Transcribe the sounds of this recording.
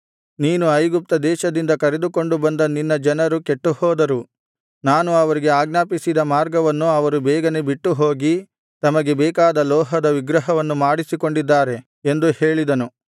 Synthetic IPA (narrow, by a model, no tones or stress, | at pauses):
niːnuɐjɡup̚t̪ɐd̪ɛːʃɐd̪ind̪ɐkɐɾe̞d̪uko̞ɳɖubɐnd̪ɐninːɐd͡ʒɐnɐɾuke̞ʈːuhɔːd̪ɐɾu | naːnuɐʋɐɾiɡe̞aːɡnaːpisid̪ɐmaːɾɡɐʋɐnːuɐʋɐɾubɛːɡɐnebiʈːuɦo̞ːɡi | t̪ɐmɐɡe̞bɛːkaːd̪ɐlɔːɦɐd̪ɐʋiɡɾɐɦɐʋɐnːumaːɽisiko̞ɳɖid̪ːaːɾe̞ | end̪uhe̞ːɭid̪ɐnu